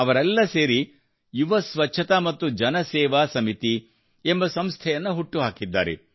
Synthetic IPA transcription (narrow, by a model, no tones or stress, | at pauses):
ɐʋɐɾɛlːɐseːɾi | juʋɐsʋɐt͡ʃːʃʰɐt̪amɐt̪ːud͡ʒɐnɐsɛːʋaːsɐmit̪i | embɐsɐmst̪ʰɛjɐnːɐɦuʈːuɦaːkid̪ːa̰ːɾḛ